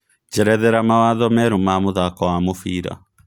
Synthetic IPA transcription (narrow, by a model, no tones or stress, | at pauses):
d͡ʒɛɾɛðɛɾamawaðɔmɛɾumamoðakɔwamofiːɾa̰